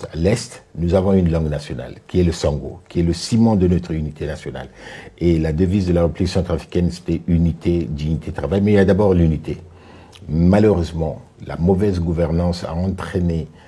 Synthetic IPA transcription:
a̰lɛst̪nuzavɔ̃ynlɑ̃ɡnasjɔna̰lkʲiɛləsɑ̃ɡo̰kʲʰiɛləsimɑ̃d̪ənɔt̪χynit̪enasjɔna̰lelad̪əvizd̪əlaʁəplisɑ̃t̪χafi̥kʲɛnse̥t̪ɛynit̪ʰed̪ynit̪ed̪ət̪χavajmɛiljad̪abɔʁlynit̪e | maløʁøzmɑ̰̃ | la̰mɔvɛzɡuvɛʁnɑ̃sa̰ɑ̃t̪χene

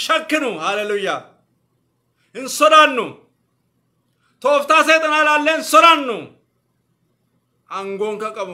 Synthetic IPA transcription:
ʃɐkːɪnʊhaːlɛlʊjːaː | ɪnsɔd̪aːnːʊ | t̪o̞ːft̪aːseːt̪ʼɐnaːlaːlːeːɪnsɔd̪anːʊ | ʔɐŋɡoːŋkɐkʼɐbʊ

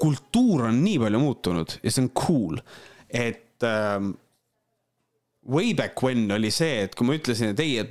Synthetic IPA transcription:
kult̪ːuːɾo̞nːiːpɑlʲjumuːt̪ːunud̪̥jɑ̰seonkʰuːle̞t̪ː | wejbækːwenːo̞lʲise̞ːt̪ːkujmɑyt̪ˑlesinet̪ːeje

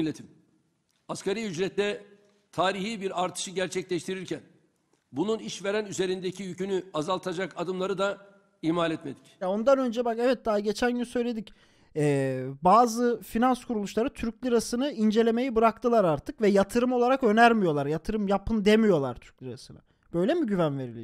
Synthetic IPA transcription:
lːet̪ʰim | askaɾijyd͡ʒɾɛt̪d̪ɛ | t̪ʰaːɾiɦiːbiɾaɾt̪ʰɯ̥ʃɯɟæɾt͡ʃʰɛclʲɛʃt̪ʰiɾiɾcʰæn | bununiʃveɾænyze̞ɾind̪ecʰijycʰynyazalˠt̪ʰad͡ʒakad̪ɯmlˠaɾɯd̪a | ihmaːlʲɛt̪me̞d̪icjao̞nd̪anø̞nd͡ʒɛbakɛvɛt̪̚d̪aːɟe̞t͡ʃʰænɟynysø̞jlʲe̞d̪ic | ɛːbaːzɯfinanskʰuɾulˠuʃlˠaɾɯt̪ʰyɾclʲiɾasɯnɯind͡ʒe̞lʲe̞me̞jibɯɾak̚t̪ʰɯlˠaɾaɾt̪ʰɯkvɛjat̪ʰɯɾɯmo̞lˠaɾakø̞næɾmijo̞lˠaɾjat̪ʰɯɾɯmjapʰɯnd̪emijo̞lˠa̰ɾt̪ʰy̥ɾcʲlʲiɾasɯnɯ̰ | b̥ø̞jlʲemiɟyvænve̞ɾilʲḭ

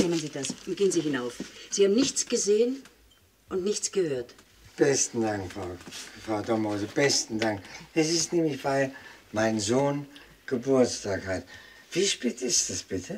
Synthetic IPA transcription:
nɛmənziːdasʊnɡ̥eːənziːhɪnaʊfz̥iːhaːbm̩nɪçt͡sɡ̥əzeːən | ʔʊntnɪçt͡sɡ̥əhøːɐt | b̥ɛstn̩daŋkfʁaʊfʁ̥aʊdɔmozəb̥ɛstn̩daŋkɛs̬ɪstnɛːmlɪçv̥aɪlmaɪnzoːn | ɡ̥əbʊɐt͡stʰaːkhat | v̥iːʃpeːtɪstd̥asb̥ɪtʰə

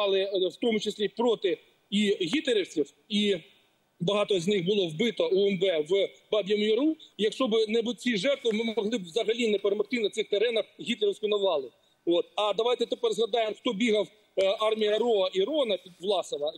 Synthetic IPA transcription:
ɑlˠɪwt̪ɔmʊt͡ʃɪsʲlʲipɾɔt̪ɪ | iɦʲit̪lʲeɾʲɪwt͡sʲiw | i | bɐɦɑt̪ɔznɪxbʊlˠɔwbɪt̪ɔuɛmbɛʋbɑbʲjɐmjʊɾujɐkʃɔbɪnɛbʊt͡sʲiʒɛrt̪ʋɪmɪmɔɦlˠɪbwzɐɦɐlʲinɛpeɾemɐxt̪ɪnɐt̪sɪxt̪eɾɛnɐxɦʲit̪lʲeɾɪwsʲkʲʊnɐʋɑlˠɪ | ot̪ɐd̪ɐʋɑjt̪ɛt̪epɛrzlɐd̪ɑjɪmxt̪ɔbʲiɦɐw | ɑrmʲijɐɾɔɐʔiɾɔnɐpʲiʋlˠɑsɪnɐ

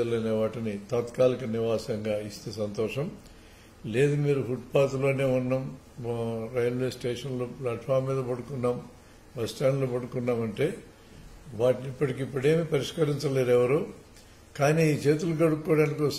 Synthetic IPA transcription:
ɐlɐneːʋaːʈinit̪aːt̪kaːlikɐniʋaːsɐŋɡaːist̪eːsɐnt̪ɔːʂɐm | le̞ːd̪umiːɾuɦuʈpaːt̪ulo̞ːne̞ːunːɐm | ɾɐjɐlʋe̞ːsʈeːʂɐnloːplaːʈfʰaːɾmːiːd̪ɐpɐɽukunːaːm | ʋɐsʈaːnloːpɐɽukunːaːmɐɳʈe̞ː | ʋaːʈiniipːɐʈikipːuɽe̞ːmipɐɾiʂkɐɾiɲt͡ʃɐleːɾɛʋɐɾuː | kaːniːiːt͡ʃe̞ːt̪̬ulukɐɽukkːoːɽaːniko

